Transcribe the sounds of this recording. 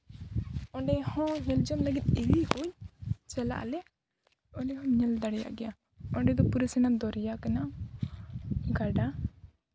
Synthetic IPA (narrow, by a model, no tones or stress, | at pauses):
ɔɖɛhɔ̃ɲɛld͡ʒɔmləɡit̪̚iɾihuɲt͡ʃɛla̰ʔlɛ | ɔɖɛhɔ̃ɲɛld̪aɽɛja̰ʔɡɛja | ɔɳɖɛd̪ɔpuɾɛsɛnad̪ɔɾɛjakana | ɡaɖa